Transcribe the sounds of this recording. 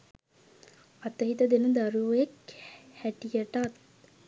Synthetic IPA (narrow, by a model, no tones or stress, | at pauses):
at̪əɦit̪əd̪enəd̪aɾuekhæʈijəʈat̪̚